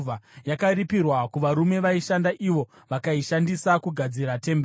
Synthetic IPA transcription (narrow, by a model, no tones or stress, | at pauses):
ajakaɾipirwakuʋaɾume̞ʋaiʃandaʔiʋo̞ | ʋakaiʃandisakuɡʱad͡ziɾate̞mb